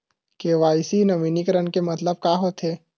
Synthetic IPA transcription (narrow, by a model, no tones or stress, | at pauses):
keːʋaːɪsinɐʋiːnikəɾənkemɐt̪ləb̚kaːɦot̪ʰɦeː